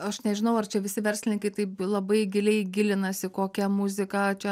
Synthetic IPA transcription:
ɐʃnʲɛʒʲɪnɐʊɐrt͡ʃʲɛʋʲɪsʲɪʋʲɛrʲsʲlʲɪnʲɪŋkɐɪt̪ɐɪplˠɐbɐɪɡʲɪlʲɛɪɡʲɪlʲɪnɐsʲɪkoːkʲɛmʊzʲɪkɑt͡ʃʲɛ

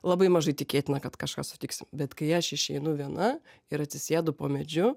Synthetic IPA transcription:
lˠɐbɐɪmɐʒɐɪt̪ʲɪkʲeːt̪ʲɪnɐkɐt̪kɐʃkɑ̰ːsʊ̥t̪ʲɪksʲɪmbʲɛt̪kɐɪɐʃɪʃʲɛɪnʊʋʲiɛnɐ | ɪɾɐt̪ʲsʲɪsʲeːd̪ʊpoːmʲɛd͡ʒʲʊ

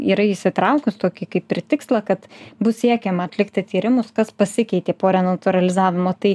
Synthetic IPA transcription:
iːɾɐɪʃʲsʲɪt̪ɾɐʊkʊst̪oːkʲɪkɐɪpʲpʲɾʲɪt̪ʲɪkslˠɐkɐt̪bʊsʲiɛkʲɛmɐɐt̪ʲlʲɪkt̪ʲɪt̪ʲiːɾʲɪmʊskɐspɐsʲɪkʲɛɪt̪ʲeːpoːɾʲɛnɐt̪ʊɾɐlʲɪzɑːʋʲɪmoːt̪ɐɪ

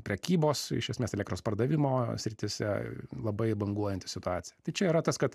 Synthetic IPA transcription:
pʲɾʲɛkʲiːboːsɪ̰ʃʲɛsʲmʲeːsɛlʲɛkt̪ɾoːspɐrd̪ɐʋʲɪmoːsʲɾʲɪt̪ʲɪsʲɛ̰lˠɐbɐɪbɐŋɡuɔjɛnʲt̪ʲɪ̥sʲɪt̪ʊɑːt̪sʲɪjt̪ɐɪt͡ʃʲɛiɾɐt̪ɐskɐt̪

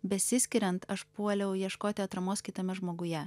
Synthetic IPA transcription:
bʲɛsʲɪsʲkʲɪɾʲɛnt̪ɐʃpuɔlʲɛʊjiɛʃkoːt̪ʲɪɐt̪ɾɐmoːskʲɪt̪ɐmʲɛʒmoːɡʊjɛ

